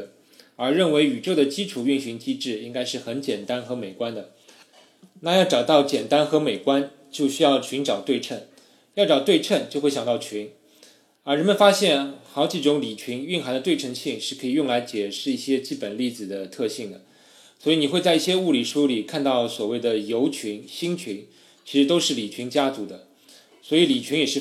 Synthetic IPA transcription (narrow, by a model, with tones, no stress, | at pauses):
ə˞˧˥ɻə˥˩nwe˧˥ɪy˨˩ʈ͡ʂo˥˩d̪ə˩t͡ɕi˥ʈ͡ʂʰu˨˩y˥˩nɕy˧˥ŋt͡ɕi˥ʈ͡ʂɻ̩˥˩i˥ŋka˥ɪʂɻ̩˥˩xə˧˥nt͡ɕjɛ˨˩nt̪a˥nxɤ˧˥me˨˩ɪkwa˥nd̪ə˨ | na˥˧jɑ˥˩ʊʈ͡ʂɑ˨˩ʊt̪ɑ˥˩ʊt͡ɕjɛ˨˩nt̪a˥nxɤ˧˥me˨˩ɪkwa˥n | t͡ɕjo˥˧ʊɕy˥jɑ˥˩ʊt͡ɕʰy˧˥nʈ͡ʂɑ˨˩ʊt̪we˥˧ɪʈ͡ʂʰə˥˩n | jɑ˥˩ʊʈ͡ʂɑ˨˩ʊt̪we˥˧ɪʈ͡ʂʰə˥˧nt͡ɕjo˥˧ʊxwjɑ˨ŋ˧t̪ɑ˥˩t͡ɕʰy˧˥n | ə˞˧˥ɻə˧˥nmə˨nfa˥ɕjɛ˥˩nxɑ˧˥ʊt͡ɕi˧˥ʈ͡ʂʊ˧˥ŋli˨˩t͡ɕʰi˧˥ŋy˥˩nxa˧˥nd̪t̪we˥˩ɪʈ͡ʂʰɤ˧˥ŋɕi˥˧ŋʂɻ̩˥˩kʰɤ˧˥i˨˩jʊ˥˩ŋla˧˥ɪt͡ɕjɛ˨˩ʂɻ̩˥˧i˥˩ɕjɛ˥t͡ɕi˥˩pə˨˩nli˥˩d͡zɹ̩˨˩d̪ə˩t̪ʰɤ˥˧ɕi˥˩ŋd̪ə˩ | swɔ˧˥i˨˧˩ni˨˩xwe˥˧ɪt͡sa˥˧ɪi˥˩ɕjɛ˥u˥˩li˨˩ʂu˥li˨˩kʰa˥˧nt̪ɑ˥˩ʊswɔ˨˩we˥˩ɪd̪ə˩jo˧˥ʊt͡ɕʰy˧˥nɕi˥nt͡ɕʰy˧˥n | t͡ɕʰi˧˥ʂɻ̩˧˥t̪o˥ʊʂɻ̩˥˩li˨˩t͡ɕʰy˧˥nt͡ɕja˥t͡su˧˥d̪ə˧ | swɔ˧˥i˧˥li˨˩t͡ɕʰy˧˥ŋjɛ˨˩ʂɻ̩˥˩